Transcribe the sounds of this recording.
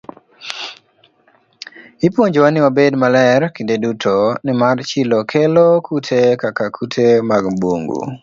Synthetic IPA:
ipwoɲd͡ʒwanɪwabedmalɛɾkidedutʰonɪmart͡ʃɪlɔkʰelokʰutʰekakakʰutʰemaɡbwo̰ŋɡṵ

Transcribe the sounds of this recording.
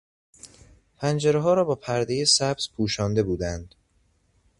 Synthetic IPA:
pʰænd͡ʒeɾeɦɒːɾɒːbɒːpʰæɾd̪ejesæbz̥pʰuːʃɒːnd̪e̞buːd̪ænd̪̥

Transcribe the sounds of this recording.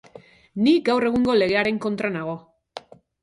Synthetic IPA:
niɡawre̞ɣ̞uŋɡo̞le̞ɣe̞aɾe̞ŋko̞nt̪ɾanaɣ̞o̞

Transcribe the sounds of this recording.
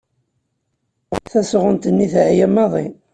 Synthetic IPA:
θæsʁənt̪ənːiθʕjæmːɑðˤḭn

